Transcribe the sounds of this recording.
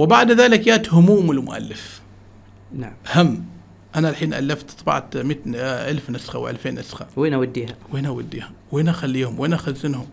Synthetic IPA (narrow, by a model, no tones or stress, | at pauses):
wɪbaʕd̪ðaːlɪkjaʔt̪hʊmuːmɪlmʊ̰ʔa̰lːɪf | naʔhamː | ʔanalħiːnʔa̰lːaft̪t̪ˤbɑ̰ʕt̪mit̪ʔalfnasxa̰wʔa̰lfeːnːasxaweːnawad̪ːiːhaweːnawad̪ːiːhaweːnʔaxalːiːhʊmweːnʔaxazːɪnhʊm